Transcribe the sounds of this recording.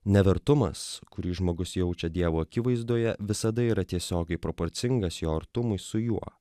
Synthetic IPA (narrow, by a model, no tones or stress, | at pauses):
nʲɛʋʲɛɾt̪ʊmɐ̰skʊɾʲiːʒmoːɡʊsjɛʊt͡ʃʲɛd̪ʲiɛʋoːɐkʲɪʋɐɪzd̪uɔːjɛʋʲɪsɐd̪ɐiːɾɐt̪ʲiɛsʲoːɡʲɛɪpɾopoɾʲt̪sʲɪŋɡɐsjoːɐɾt̪ʊmʊɪsʊjuɔ